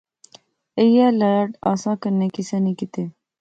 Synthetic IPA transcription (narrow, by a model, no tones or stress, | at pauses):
ejalɐɾəʈa̰ːsãːkəɾnekisɐniːkit̪eː